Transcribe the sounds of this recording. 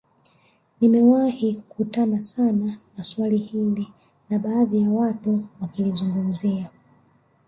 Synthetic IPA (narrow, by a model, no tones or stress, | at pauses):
nimɛwahikkutanasananaswalihili | naɓaːðijawatuwakilizuŋɡum̩zia